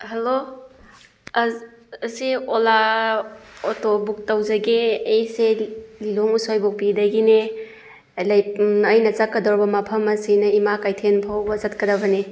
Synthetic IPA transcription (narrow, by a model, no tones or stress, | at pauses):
hɐlo | ɐsiola | otobuk̚tɐwzɐɡeejseliloŋusojbok̚pidɐɡine | lɐjɐjnɐt͡ʃɐkːɐdowɾbɐmɐpʰɐmɐsinɐimakajtʰenpʰawbɐzɐtkɐdɐbɐne